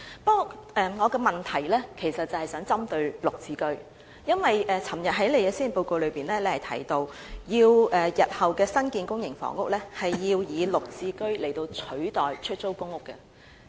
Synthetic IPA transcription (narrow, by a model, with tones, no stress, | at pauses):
pɔ˥ʔɛː˨ŋɔː˨˧kɛː˧mɐ˨nt̪ʰɐ˨˩jlɛː˥kʰe˨˩jsɐ˨t̚t͡sːɐ˨hɐ˨jsœː˨˥ŋt͡sɐ˥mt̪ɵ˧ɥlʊ˨k̚t͡siː˨˥kɵ˥ɥ | jɐ˥nwɐ˨jʔɛː˨˩t͡sʰɐ˨˩mjɐ˨t̚ɦɐ˨˥jle˨jkɛː˧siː˥˨˩po˧wko˧wlɵ˨˧ɥpiː˨nlɛː˥le˨˧hɐ˨˩jt̪ʰɐ̰˨˥˩jt̪o˧w | jiː˧wɛː˨jɐ˨t̚hɐ˨wkɛː˧sɐ˥nkiː˧nkʊ˥ŋjɪ˨˩ŋfɔ̰ː˨˥ŋʊ˥k̚lɛː˥hɐ˨jːiː˧wjiː˨˧lʊ˨k̚t͡siː˧kɵ˥ɥle˨˩jt̪o˧wt͡sʰɵ˨˥ɥt̪ɔː˨jt͡ʃʰɵ˥t̚t͡so˥wkʊ˥ŋʊ˥kːɛ˧